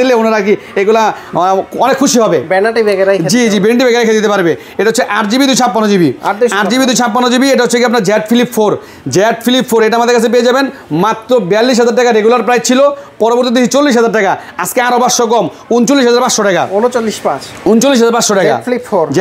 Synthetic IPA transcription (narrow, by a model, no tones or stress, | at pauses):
ileonaɾak̬i | eɡula | ɔnekʰːuʃiɦɔbebɛnaʈibɛɡeɾakd͡ʑid͡ʑibenaʈ̬ibɛɡeɾajkʰed͡ʑet̪̬epaɾbe | eʈaɦotːt͡ɕʰːeʔaɾd͡ʑibid̪ujt͡ɕʰapːanod͡ʑibiaɾd̪uaɾd͡ʑibid̪ujt͡ɕʰapːanod͡ʑibieʈaɦotːʰekiap̬̚naɾd͡ʑɛʈfilipfoɾ | d͡ʑɛʈfilipfoɾeʈaamad̪eɾkat͡ɕʰep̬eed͡ʑabenmat̪ːɾobɛalːiʃ̬ɦad͡ʑaɾʈɛkaɾeɡulaɾpɾajd͡ʑt͡ɕʰilopɔɾoboɾt̪id̪eɦit͡ɕolːiʃ̬ɦad͡ʑaɾʈɛkaad͡ʑkeaɾobaʃokɔm | unt͡ɕolːiʃ̬ɦad͡ʑaɾpaʃoʈɛka̰onot͡ɕolːiʃpã | unt͡ɕolːiʃ̬ɦad͡ʑaɾbaʃoʈɛka̰flipːoɾd͡ʑ